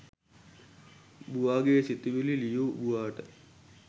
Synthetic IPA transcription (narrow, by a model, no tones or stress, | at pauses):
buʋaːɡesit̪iʋililijuːbuʋaːʈə